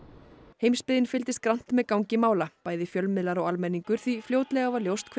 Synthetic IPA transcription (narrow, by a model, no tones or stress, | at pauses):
hejmspɪðɪnfɪlt̪ɪst̪̚kɾan̥t̪mɛðkawŋcɪmaːwlapaːjðɪfjœlmɪðlaɾawalmɛnːiŋkʏɾ̥θvifljoːwt̪lɛɣavaɾljowst̪kʰ